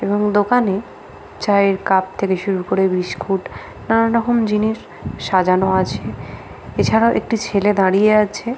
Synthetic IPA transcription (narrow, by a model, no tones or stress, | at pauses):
eboŋd̪okane | t͡ɕaeɾkap̚t̪ʰekeʃuɾuɾkoɾebɾiʃkʰuʈ | nanaɾɔɦomd͡ʑiniʃ | ʃad͡ʑanoat͡ɕʰe | et͡ɕʰaɾaoʔek̚ʈit͡ɕʰeled̪aɽijeat͡ɕʰe